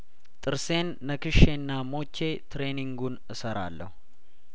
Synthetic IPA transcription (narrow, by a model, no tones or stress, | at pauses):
t̪ʼɨɾse̞nːəkɨʃenːamo̞t͡ʃːe̞t̪ɾe̞niŋɡunɨsəɾa̰lːə̰hu